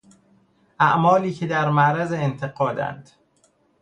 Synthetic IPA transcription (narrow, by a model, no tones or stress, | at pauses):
ʔæʔmɒːliːcʰe̞d̪æɾmæʔɾæzeːnt̪ʰe̞ɣɒːd̪æ̰nd̪̥